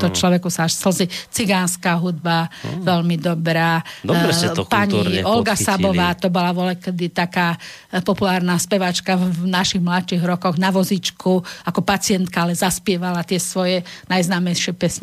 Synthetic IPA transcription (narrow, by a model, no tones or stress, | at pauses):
t̪ɔt͡ʃlɔʋɛkusaaʃsl̩zit͡siɡaːnskaːɦud̪̚baʋɛlmid̪ɔbɾaː | paɲiɔlɡasabɔʋaːt̪ɔbɔlaʋɔlɛkɛd̪it̪akaː | pɔpulaːɾnaspɛʋat͡ʃkavnaʃiɣmlatt͡ʃiɣɾɔkɔɣnaʋɔzit͡ʃkʰuakɔpat͡sɪɛnt̪kaalɛzaspɪɛʋalat̪ɪɛsʋɔjɛnajznaːmɛjʃɪɛpɛsɲ